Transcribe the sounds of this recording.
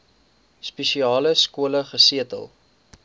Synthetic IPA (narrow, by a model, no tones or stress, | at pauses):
speʃiɑːləskuələχəsiətə̰lˠ